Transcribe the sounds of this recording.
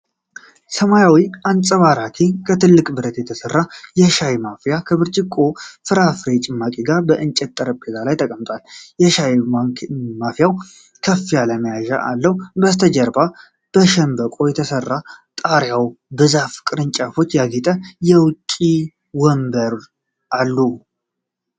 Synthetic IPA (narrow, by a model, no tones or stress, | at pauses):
səmajawiʔant͡sʼəβaɾat̪ʰikʰət̪ʰɨlːɨkʼbɨɾət̪jɛt̪ʰəsərːajɛʃajmafijakʰəβɨɾt͡ʃʼɪkʼofɨɾafɾet͡ʃʼɪmːakʼiɡaɾbəʔɨnt͡ʃʼɛt̪t̪ʼːəɾəpʼːezalajt̪ʰəkʼəmt̪ʼwaljɛʃaj | mafjaw | kʰəfːijaləməjaʒa̰ʔa̰lːəwbəst̪ʰəd͡ʒɛɾba | b̥əʃɛmbəkʼo̞jɛt̪ʰəsərːat̪ʼaɾjawbɨzafkʼɨɾɨnt͡ʃʼafo̞t͡ʃːjaɡɛt̪ʼəjɛwkʼi | wɔmbəɾ | ʔalːu